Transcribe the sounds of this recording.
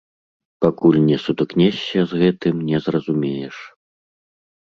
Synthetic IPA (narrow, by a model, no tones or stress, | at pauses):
pakulʲnʲɛsud̪uknʲɛsʲːɐzɣɛt̪ɨmnʲɛzrɐzumʲejɛʂ